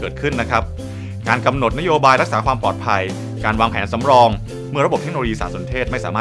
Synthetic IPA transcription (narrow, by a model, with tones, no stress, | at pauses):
kɤː˨˩t̪̚kʰɯ˥˩nːa˦˥kʰɾa˦˥p̚ | kaː˧nka˧mno˨˩t̪̚na˥joː˧baː˧jɾa˦˥k̚saː˩˦kʰwaː˧mpɔː˨˩t̪̚pʰa˧j | kaː˧nwaː˧ŋpʰɛː˩˦nsa˩˦mɾɔː˧ŋ | mɯ˥˩əɾa˧bo˨˩p̚t̪e˦˥kno˧oː˧jiː˧saː˩˦nso˩˦nt̪ʰeː˥˩t̪̚ma˥˩jsaː˩˦maː˥˩